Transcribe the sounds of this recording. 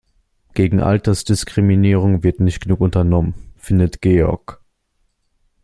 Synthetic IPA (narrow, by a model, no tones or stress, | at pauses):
ɡ̥eːɡŋ̩ʔa̰ltɐsd̥ɪskʁ̥iminiːʁ̞ʊŋvɪɐtnɪçtɡ̥ənuːkʊntɐnɔmənfɪndətɡ̥eːɔ̰ɐk